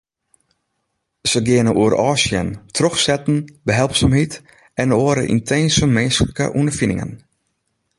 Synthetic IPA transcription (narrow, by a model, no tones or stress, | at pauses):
səɡɪənəʔuəɾɔːsjə̰ntʰrøxsɛtn̩bəɦɛlˠpsamɦit | ɛnoəɾə̰ʔḭntʰeːnsəmenskləkə̰ʔundərfinɪ̰ŋə̰n